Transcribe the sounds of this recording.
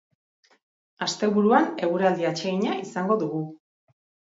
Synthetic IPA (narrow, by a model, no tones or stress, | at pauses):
ast̪e̞βuɾuane̞ɣuɾald̪iat͡ʃe̞ɣiɲaʔisaŋɡo̞ðuɣu